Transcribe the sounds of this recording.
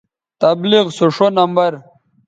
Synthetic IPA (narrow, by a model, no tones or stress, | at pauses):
t̪ɐbliɣsuʂonɐmbɐɾ